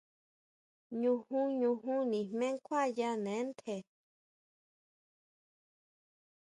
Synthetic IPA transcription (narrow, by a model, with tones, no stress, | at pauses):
ɲũ˧hũ˦ɲũ˧ɦũ˦nĩ˨mmẽ˦ŋkʷʰa˦˨ja˧nẽ˨˦nt̪ʰe˨